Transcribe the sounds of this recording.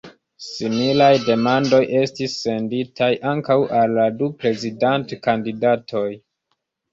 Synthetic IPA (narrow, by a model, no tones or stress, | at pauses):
similajde̞mando̞jʔe̞stisːe̞nditʰajʔaŋkawʔalːadupɾe̞zidantkandidatʰo̞j